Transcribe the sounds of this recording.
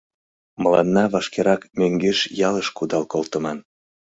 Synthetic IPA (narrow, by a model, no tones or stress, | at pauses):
məlɑ̰nːɑβɑʃkeɾɑkmøŋɡeʃjɑləʃkud̪ɑlkolt̪ə̆mɑn